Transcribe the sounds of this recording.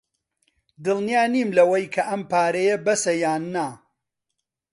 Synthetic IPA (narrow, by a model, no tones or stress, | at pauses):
d̪ɨlnijaːniːmlɐwɐjkʰɐʔɐmpaːɾɐjɐbɐsɐjaːnːa